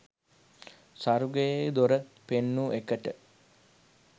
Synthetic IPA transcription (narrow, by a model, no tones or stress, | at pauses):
saɾuɡəjejd̪oɾə | penːuʔekəʈə